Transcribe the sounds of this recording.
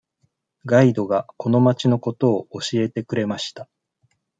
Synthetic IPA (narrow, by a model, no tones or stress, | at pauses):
ɡaid̪o̞ɡako̞no̞mat͡ɕino̞ko̞t̪o̞ːɕie̞t̪e̞kɯ̟ɾe̞maɕi̥t̪a